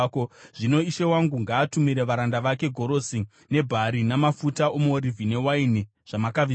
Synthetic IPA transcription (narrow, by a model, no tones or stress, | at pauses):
koʐ̥ino̞iʃe̞waŋɡuŋɡaːtumiɾeʋaɾandaʋake̞ɡʱo̞ɾo̞si | ne̞bʱaɾinamafutaomoɾivʱine̞waini | ʐ̥amakai